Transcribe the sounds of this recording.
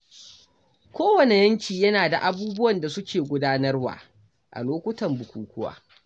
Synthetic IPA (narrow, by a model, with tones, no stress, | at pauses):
kʷoː˦wɐ˨ne˨jɐ˦ŋkʲiː˨jɐ˦naː˨da˨ʔa˨buː˦bʊ˦wɐ˨nda˨sʊ˦kʲʰeː˨ɡʷʊ˦daː˦nɐ˦rwa̰ː˨ | ʔa̰˨loː˦kʷʊ˦tɐ˨mbʊ˨kʷuː˨kʷʊ˦wa̰ː˦